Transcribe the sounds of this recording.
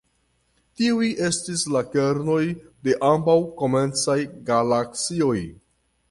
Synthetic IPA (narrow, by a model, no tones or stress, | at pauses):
tiujʔe̞stislake̞ɾno̞jde̞ʔambawko̞me̞nt͡sajɡalakt͡sio̞j